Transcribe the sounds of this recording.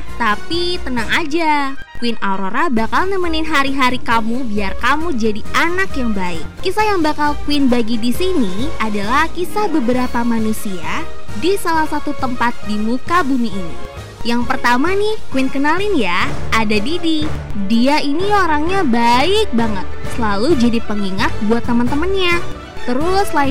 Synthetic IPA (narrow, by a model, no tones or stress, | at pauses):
t̪api | t̪ənaŋad͡ʒa | kwɪnaɾoɾabakalnəmənɪnɦaɾiɦaɾikamubiarkamud͡ʒadiʔanakjaŋbaɪkːisajaŋbakalkuwɪnbaɡidisini | adalahkisabəbəɾapamanusia | disalahsat̪ut̪əmpat̪̚dimukabumiːnḭ | jaŋpərt̪amanɪhkwɪnkənalɪnja | adadidi | diainioɾaŋɲabaɪk̚baŋət̪̚səlalud͡ʒadipəŋiŋat̪̚buat̪ːəmənt̪əmənɲa | t̪əɾʊsla